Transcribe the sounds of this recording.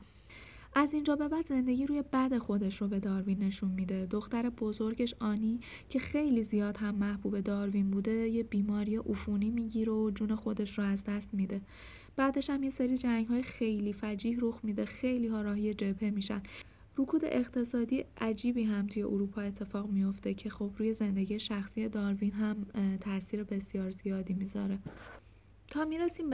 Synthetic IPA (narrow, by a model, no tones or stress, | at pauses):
ʔæzind͡ʒɒːbe̞bæd̪ze̞nd̪e̞ɟiːɾuːje̞bæd̪e̞xo̞d̪e̞ʃrobe̞d̪ɒːɾvinːe̞ʃunmid̪e̞d̪o̞xt̪æɾe̞bo̞zo̞ɾɟe̞ʃɒːniː | cʰe̞xe̞jliːzijɒːd̪hæmːæhbuːbe̞d̪ɒːɾvinbuːd̪e̞jebiːmɒːɾijeʔufuːniːmiːɟiːɾeod͡ʒuːne̞xo̞d̪e̞ʃroæzd̪æst̪miːd̪e̞ | b̥æd̪e̞ʃhæmje̞seɾiːd͡ʒæŋɟɦɒːjexe̞jliːfæd͡ʒiːhɾo̞xmiːd̪e̞xejliːɦɒːɾɒːɦije̞d͡ʒe̞pʰe̞miːʃæ̰nd̪ | ɾukʰuːd̪e̞̰ʔeɣt̪ʰe̞sɒːd̪iːjeʔæd͡ʒiːbiːɦæmt̪ʰujeʔoɾuːpʰɒːe̞t̪ʰːe̞fɒːɣmijo̞ft̪e̞cʰe̞xo̞bɾuːje̞ze̞nd̪e̞ɟijeʃæxsiːje̞d̪ɒːɾvinɦæmt̪ʰæsiːɾe̞be̞sijɒːɾzijɒːd̪iːmiːzɒ̰ɾe̞ | t̪ʰɒːmiɾesiːm